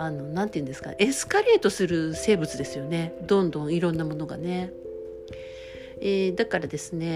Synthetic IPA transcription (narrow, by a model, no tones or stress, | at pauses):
ano̞nãnt̪eiɯ̟nd̪esɨ̥ka̰ʔesɨ̥kaɾe̞ːt̪o̞sɨɾɯ̟se̞ːbɯ̟t͡sɨd̪e̞sɨjo̞ne̞d̪õ̞nd̪õ̞ɰ̃iɾõ̞nːamo̞no̞ɡa̰ne̞ | eːd̪akaɾad̪e̞sɨne̞